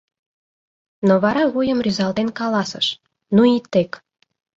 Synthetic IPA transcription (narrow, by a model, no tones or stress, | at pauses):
noβɑɾɑɣujə̆mryzɑlt̪enkɑlɑsə̰ʃ | nuit̪ːek